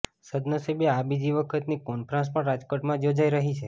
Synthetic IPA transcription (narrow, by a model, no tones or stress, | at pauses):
səd̪nəsebjeabid͡ʒiʋəkʰət̪nikonpɾãns̬pə̃ɾad͡ʒkoʈmãd͡ʒod͡ʒaiɾəɦit͡ʃʰe